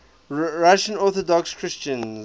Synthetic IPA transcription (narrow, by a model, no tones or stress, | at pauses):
ɹaʃə̃nɔˑθɔdɔkskʰɹ̥ɪst͡ʃə̃n